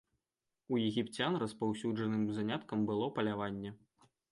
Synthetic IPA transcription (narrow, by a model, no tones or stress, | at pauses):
ujɛɣʲipt͡sʲanrɐspawsʲuʐɐnɨmzanʲat̪kɐmbɨlˠɔpɐlʲavanʲːɛ